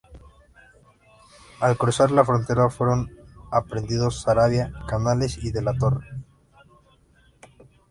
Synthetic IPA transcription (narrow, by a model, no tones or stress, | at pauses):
alkɾusaɾlafɾo̞nt̪e̞ɾafwe̞ɾo̞napɾe̞nd̪iðo̞sːaɾaβjakanale̞siðe̞lat̪o̞re